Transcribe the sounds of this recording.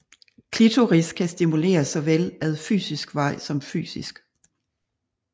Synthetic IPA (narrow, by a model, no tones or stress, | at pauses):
kʰlit͡sʰoʁiskʰæsd̥imule̝̰ːɐsɒ̽ʋelæðˠfy̰ːsisɡ̥ʋɑ̈ɪ̰sɒ̽mfy̰ːsisɡ̥